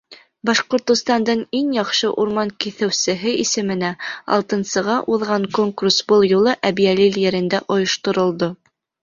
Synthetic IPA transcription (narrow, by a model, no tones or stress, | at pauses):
bɑʃqŏɾt̪ŏst̪ɑnd̪ɤɴiŋjɑqʃɤʔuɾmɑŋkiθɘ̆wsɘ̆ɦɘʔisɘ̆mɘ̆næɑ̰lˠt̪ɤ̆nsɤ̆ʁɑʔuðʁɑŋkoŋkursbɤlˠjulˠɤʔæbijæliljɘ̆ɾɘ̆nd̪æʔŏjŏʃt̪ŏɾŏlˠd̪o